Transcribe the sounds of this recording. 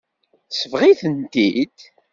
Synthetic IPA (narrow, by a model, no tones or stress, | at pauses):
səvʁiθənt̪id̪̥